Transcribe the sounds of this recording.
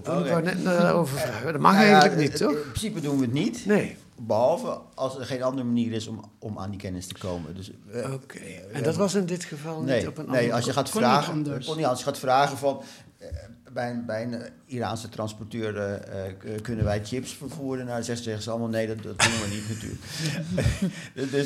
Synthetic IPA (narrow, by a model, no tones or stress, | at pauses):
anɛtnaoːvəvadɔtmaxelənitɔɪprəsipədunʋətnitneː | bəhɔlˠvəʔɑlˠsəxeːnɑndərəmaniərɪsɔmɔma̰ːndikɛnɪstəkoːmə̰døs | okʰendɔtʋɔsɪndɪtxəvɑlˠnepənneːɔlˠsjəxaːtaːxənɔlsjəxaːtfraːɣəfɔn | bɛjənbɛjən | ira̰ːnsətrɑnsportøːər | kønənʋɛjt͡ʃɪpsfərfuəɾənasɛɛxəsɔlˠmalˠneːdɔtkunənʋənitnəty̰ːlk | døs